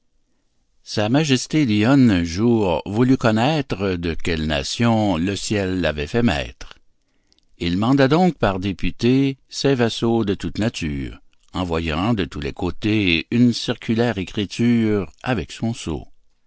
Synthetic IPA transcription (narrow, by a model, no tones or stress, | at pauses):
samaʒɛst̪eliɔnɛ̃ʒuːʁvulykɔnɛːt̪ʁəd̪əkʲɛlna̰sjɔ̃ləsjɛlːavɛfɛmɛ̰ːt̪ʁ | ilmɑ̃d̪ad̪ɔ̃k̚paʁd̪epyt̪esɛvɛsod̪ət̪ut̪nat̪y̰ːʁ | ɑ̃vwajɑ̰̃d̪ət̪ulekʰot̪eynsiʁkʰʲylɛːʁekʁit̪yːʁavɛksɔ̃so̰